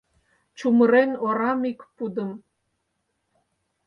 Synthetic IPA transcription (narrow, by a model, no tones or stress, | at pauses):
t͡ɕuməɾenoɾɑmikpud̪ə̆m